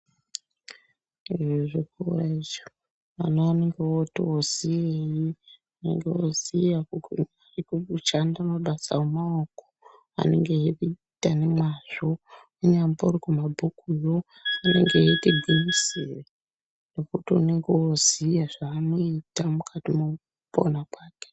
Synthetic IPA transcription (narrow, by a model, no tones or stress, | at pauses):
iʐiʐikuraiʒo | ʋanoaneŋɡewotoozijeji | une̞̰ŋɡewozijakukuɲaikukut͡ʃandamaɓasa̰womaoko̥ | a̰ne̞ŋɡe̞ɦekui | tane̞mwaʐo̞ | uɲambauɾikumabʱukujo̞ | ane̞̰ŋɡejekebʱinisire | nokutiune̞ŋɡewozijaʐaːno̞itamukʰatimo | po̰nakwaːke̥